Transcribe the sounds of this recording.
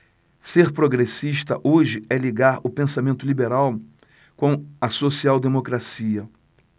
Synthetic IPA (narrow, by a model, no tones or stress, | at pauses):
seɾpɾoɡɾesiʃt̪ɐʔoʒɪɛliɡaɾʊpẽsamẽnt̪ʊlibeɾaw | kõw̃ɐsosiawd̪emokɾasiɐ